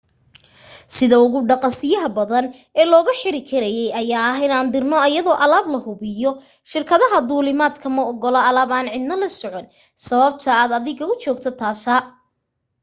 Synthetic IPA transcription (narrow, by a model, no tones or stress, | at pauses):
sɪðɐʊɣʊɖɑqɑsɪjɐɦɐbɐðɐn | ɛːlɔːɣɐħɪɾɪkʰɐɾɐjɛjɐjaːɐɦɪnaːnd̪ɪrnɔɐjɐðɔːʔɐlaːblɐhʊβɪjɔ | ʃɪrkʰɐðɐɦɐd̪uːlɪmaːd̪kʰɐmɐɔɡɔlɔɐlaːbaːnʕɪd̪nɐlɐsɔʕɔn | sɐβɐb̚t̪ʰɐaːd̪ɐðɪɣɐʊt͡ʃɔːɡt̪ʰɔt̪ʰaːsɐ